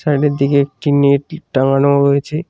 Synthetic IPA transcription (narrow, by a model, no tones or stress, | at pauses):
saɖeɾd̪ikeek̚ʈinieʈaŋanoɾojet͡ɕʰe